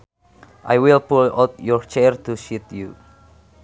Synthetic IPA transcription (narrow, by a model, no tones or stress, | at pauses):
ʔa̰jwilpulɔ̰t̪̚jɔɹt͡ʃɛrt̪uʃit̪ju